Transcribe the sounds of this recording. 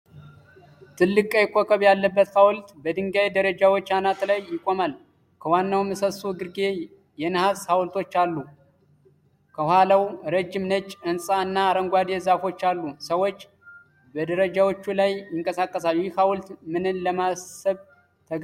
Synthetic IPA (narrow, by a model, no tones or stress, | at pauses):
t̪ʰɨlːɨkʼəjɪkʰʼːokʰəβjalːəbːət̪hawlt̪bəd̪ɨŋɡajd̪əɾəd͡ʒawo̞t͡ʃːanat̪lajːɪkʼo̞mal | kʰəwanːawmːɨsəsuɡɨɾɡe | jɛnɨhashawlt̪ʰo̞t͡ʃːalːu | kʰəhwhalawɾəd͡ʒːɪmnət͡ʃʼːɨnsʼaɨnːaːɾəŋɡʷad̪ezafo̞t͡ʃːalːusəwo̞t͡ʃː | bəd̪əɾəd͡ʒawo̞t͡ʃːulajjɪŋkʼəsakʼːəsaljɪhawlt̪mɨnɨnləmasəβ | t̪ʰəɡ